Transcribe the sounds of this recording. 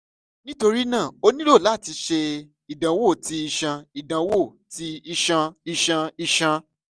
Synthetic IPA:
nĩ˦to˧ɾi˦nãː˦˨o˧nĩ˦lo˦˨la˦˨ti˧ʃe˧ | i˨dã˨wo˦˨ti˧i˧ʃã˧i˨dã˨wo˦˨ | ti˧i˧ʃã˧i˧ʃã˧i˧ʃã˧

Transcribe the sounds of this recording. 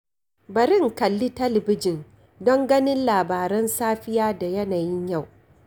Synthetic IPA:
bɐ˨ɾɪ˦ŋkɐ˨lːi˦tɐ˦lɪ˨bɪ˦d͡ʒɪ˨n | dɔ˦ŋɡɐ˦nɪ˦nlaː˨baː˨ɾɛ˦nsaː˦ɸɪ˦jaː˦da˨jɐ˦naː˨jɪ˦ɲja˦˨w

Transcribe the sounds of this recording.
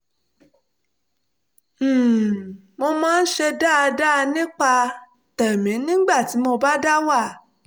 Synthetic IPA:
mo˧mãː˦n̩˦ʃe˧da˦˨˧da˦˧nĩ˦k͡pa˧ | tɛ˨mĩ˨˦nĩ˦ɡ͡ba˦˨ti˨˦mo˧ba˦da˦wa˦˨

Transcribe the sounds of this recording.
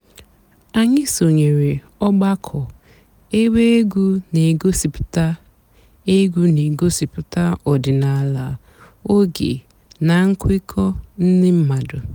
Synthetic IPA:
a˨ɲɪ˦so˨ɲe˨ɾe˨ | ɔ˦ɡ͡ba˦kʰɔ˨ | e˦we˦e˦ɡu˦ne˨ɡo˦si˨pʊ̥˨ta˦ | e˦ɡu˦ne˨ɡo˦si˨pʊ˨ta˦ɔ˨dɪ˨na˨la˨ | o˦ɡḛ˨ | na˨ŋ̩˦kʷɪ˦kʰɔ˦n̩˦nɪ˦m̩˦ma˨dʊ˨

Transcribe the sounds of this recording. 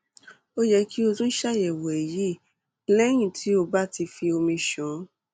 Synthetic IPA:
o˦jɛ˧ki˦o˧tũ˦ʃa˦˨jɛ˨wɛ˨e˨ji˨˦ | lɛ˦j̃ĩ˦˨tʰi˨˦o˧ba˦ti˧fi˧o˧mĩ˧ʃɔ̃˨˦

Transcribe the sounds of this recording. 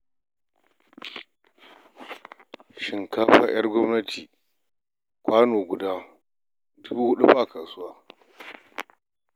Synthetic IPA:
ʃɪ˨ŋkaː˦ɸa̰˦j̰ɐ˦rɡʷɔ˦mnɐ˦tʰiː˨ | kʷaː˦noː˨ɡʷʊ˨daː˦ | dʊ˦buː˦hʊ˦ɗṵ˦ɸa˨kɐ˨sʊ˦waː˦

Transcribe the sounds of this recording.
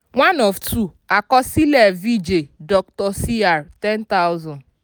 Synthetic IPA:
ŋʷa˦nɔ˨vtʰu˦˨ | a˨kɔ˦si˦le˨vi˦d͡ʒe˨dɔ˨ktɔ˨si˦a˨ɾtɛ˦nta˦ʊ˦zɔ̃˨n

